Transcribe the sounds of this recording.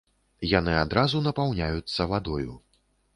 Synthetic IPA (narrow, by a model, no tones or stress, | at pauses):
janɨad̪ɾazunɐpawnʲajut̪sːɐvad̪ɔjṵ